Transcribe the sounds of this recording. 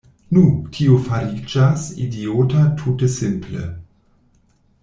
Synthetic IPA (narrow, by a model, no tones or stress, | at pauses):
nutʰiofaɾid͡ʒasḭdioːtatʰutəsɪmplḛ